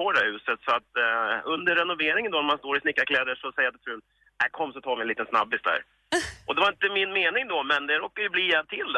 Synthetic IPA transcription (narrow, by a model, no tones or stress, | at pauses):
oːd̪ɛhʉ̟ːsət̪sɔat̪ɵnd̪əɾːɛnʊveːɾɪŋənd̪ɔnæɾmanst̪oːɾɪsnɪkːakʰlɛːd̪əʂɔsɛjɾd̪ɛt̪ʰɾʉːn | ɛkʰɔmːsɔt̪ʰɑːɾvɪniːt̪ənsna̰bːɪst̪d̪æ̰ːɾ | ʔɔd̪ɛvaɾɪnt̪əmɪnmeːnɪŋd̪ɔmɛnd̪ɛɾoːkːaɾjɵbliːɛt̪ʰɪl